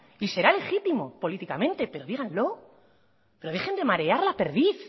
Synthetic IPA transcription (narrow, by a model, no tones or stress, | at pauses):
ise̞ɾale̞xit̪imo̞po̞lit̪ikamẽ̞nt̪e̞pe̞ɾo̞ðiɣanlo̞ | pe̞ɾo̞ðe̞xe̞nd̪e̞maɾe̞aɾlape̞ɾðiθ